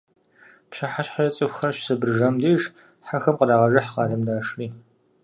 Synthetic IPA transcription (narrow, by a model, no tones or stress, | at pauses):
pɕaħaɕħarɐt͡sʼɨxʷxɐrʃsɐbɨrʒɐmdeːʒ | ħaxɐmqədaːʁɐʒɐħqɑːɮɐmdaːʂriː